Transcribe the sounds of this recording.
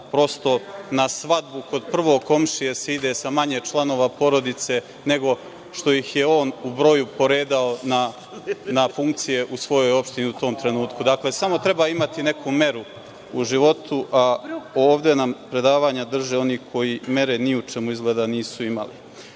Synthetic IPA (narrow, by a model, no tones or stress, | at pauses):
pɾo̞st̪o̞nasʋad̪buko̞d̪̚pr̩ʋo̞ːko̞mʃije̞seid̪e̞samaɲet͡ʃlˠano̞ːʋapo̞ɾo̞d̪it̪se̞ | ne̞ɡo̞ | ʃt̪o̞jixje̞o̞ːnubɾo̞jupo̞ɾe̞ːd̪aona | nafuŋk̚t̪sije̞ʔusʋo̞jo̞jo̞pʃt̪iniut̪o̞ːmt̪ɾe̞nuːt̪kud̪akle̞samo̞t̪ɾe̞baːimat̪ine̞kʰume̞ɾu | uʒiʋo̞t̪ʰuʔaoːʋd̪e̞nampɾe̞d̪aːʋaːɲad̪r̩ʒeo̞nikʰo̞jime̞ɾeniut͡ʃe̞muizɡle̞ːd̪aniːsuima̰lḭ